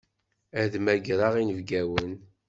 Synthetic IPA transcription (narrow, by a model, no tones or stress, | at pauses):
æðmæɡɾˤaʁinəvɡæwən